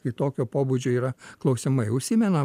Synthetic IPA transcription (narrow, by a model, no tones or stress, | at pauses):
kɐɪt̪oːkʲoːpoːbʊd͡ʒʲoiːɾɐklˠɐʊsʲɪmɐɪʊʃʲsʲɪmʲɛnɐ